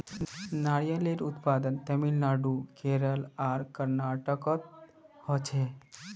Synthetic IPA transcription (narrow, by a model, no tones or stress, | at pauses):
naɽijaleɾut̪pad̪ənt̪əmilnaɖukeɾəlaɾkəɾnaʈəkɔt̪̚hɔt͡ʃʰe